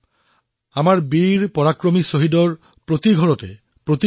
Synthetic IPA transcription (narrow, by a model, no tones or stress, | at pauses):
amaɹbiɾpɔɾakɾomisoɦid̪ɔɹ | pɾot̪iɡʱɔɾɔte | pɾot̪i